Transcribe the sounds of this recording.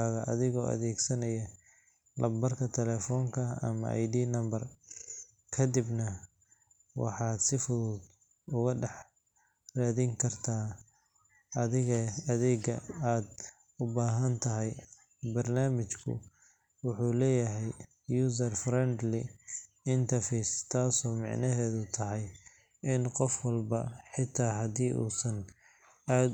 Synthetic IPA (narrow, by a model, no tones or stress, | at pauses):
aɣɐʔɐ̰ðɪɣɔːʔɐ̰ðɛːɡsɐnɐjɐ | lʔɐbɐrkʰɐt̪ʰɛlɛːfɔːŋkʰɐɐ̰mɐ̰a̰jɖiːnɐmbɐr | kʰɐd̪ɪbnɐ | wɑ̰ħɑːd̪sɪfʊðʊːd̪ | ʊɣɐɖɛħ | raːðɪŋkʰɐrt̪ʰaː | ɐðɪɣɛɐðɛːɡɐaːd̪ | ʊbaːɦɐnt̪ʰɐɦɛj | bɐrnaːmɪt͡ʃkʰʊ̰ | wʊħuːlɛːjɐɦɛj | juːsɐrfrɛnd̪lɪ | ɪnt̪ʰɐrfɛːst̪ʰaːsɔːmɑ̰ʕnɐɦɛːðʊt̪ʰɐɦɛj | ɪnqɔfwɑlbɐħɪt̪ʰːaːɦɐd̪iːʔṵːsɐn | aːd̪